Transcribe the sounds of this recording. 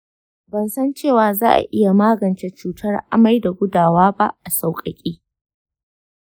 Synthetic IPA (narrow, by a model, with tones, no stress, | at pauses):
bɐ˨nsɐ˦nt͡ʃeː˦˨waː˨zaː˦ʔa̰˨ʔɪ˦ja˨maː˦ɡɐ˨nt͡ʃe˦t͡ʃuː˦tʰɐ˦rʔa̰˦ma˦jda˨ɡʷʊ˦daː˨waː˦ba̰˦ʔa˨sa˨wkʼɐ˨kʲʼiː˦